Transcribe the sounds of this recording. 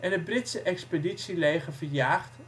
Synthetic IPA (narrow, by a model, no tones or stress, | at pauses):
ʔɛnɦəd̚brɪtsəʔɛkspeditsilejχəɹvəɹjaːχt